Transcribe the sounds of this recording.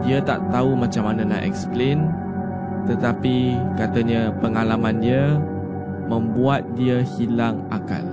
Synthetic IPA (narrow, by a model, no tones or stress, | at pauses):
diət̪a̰ʔt̪aumat͡ʃamanəna̰ʔɛ̰ksplen | t̪ət̪apikat̪əɲə̃pəŋalamãniə | mə̃mbuat̪̚diəhilaŋʔaka̰l